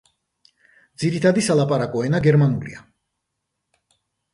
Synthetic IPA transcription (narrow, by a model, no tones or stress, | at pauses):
d̪ziɾit̪ʰad̪isalˠapʼaɾakʼɔɛnaɡɛɾmanulḭa